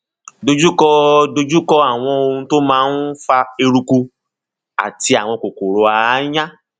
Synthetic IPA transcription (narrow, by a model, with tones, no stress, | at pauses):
do˧d͡ʒu˦kɔ˦do˧d͡ʒu˦kɔ˦a˦˨w̃ɔ̃˧o˧ũ˧to˦mãː˦n̩˦fa˧e˧ɾu˧ku˧ | a̰˨ti˧a˨w̃ɔ̃˧ko˨ko˨ɾo˨a˨˦jã˦